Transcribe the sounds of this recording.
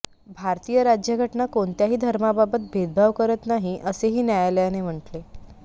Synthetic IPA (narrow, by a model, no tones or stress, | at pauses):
bʱaɾt̪iːjəɾad͡ʑjəɡʱəʈɳakoɳt̪jaɦiːd̪ʱəɾmababət̪̚bʱed̪̚bʱaʋkəɾət̪naɦiʔəseɦiːnjajaljanem̤əɳʈle